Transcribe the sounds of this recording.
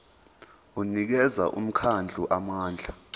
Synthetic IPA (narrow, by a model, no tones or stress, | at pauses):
unik̬ɛza̰ʔṵm̩kʰand͡ɮʱuʔamaːnd͡ɮʱa